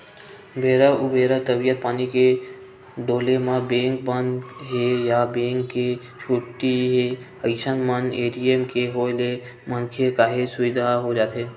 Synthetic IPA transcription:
bʱeːɾəʊbʱeːɾət̪əbijət̪̚paːnike | ɖoːlemãbẽːŋkbənɦejabẽːŋkːe | t͡ʃʰoːʈiɦe | əɪʃənməneːʈiemkeɦoːle | mənkʰekaːɦesʊʋɪd̪ʱaɦod͡ʒaːt̪ɦeː

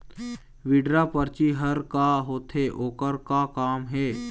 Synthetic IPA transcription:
ʋɪɖɾapəɾt͡ʃiɦəɾkaɦoːt̪ɦeːʔoːkəɾkakaːmɦɛː

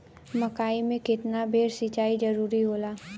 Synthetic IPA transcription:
mɐkaːimẽkɪt̪nabʱeːɾsit͡ʃaːid͡ʒɐɾuːɾiɦoːlaː

